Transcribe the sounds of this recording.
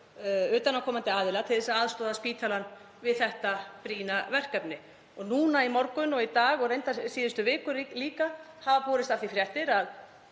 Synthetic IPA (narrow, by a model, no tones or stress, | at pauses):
ʏːt̪anːakʰɔːmant̪ɪaːðɪlat̪ʰɪlθɛsaaːðst̪ɔːðaspiːt̪ʰalan | vɪðθɛht̪apɾiːnavɛr̥kɛpnɪ | ɔɣnuːnaimɔɾkʏnɔɣit̪aːɣɔɣɾejnt̪asiːðʏst̪ʏvɪːkʏɾliːka | havapɔːɾɪst̪afθifɾjɛht̪ɪɾað